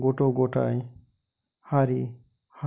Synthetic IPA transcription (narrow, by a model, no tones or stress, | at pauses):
ɡɔʈoɡɔʈa̰j | haɾi | ha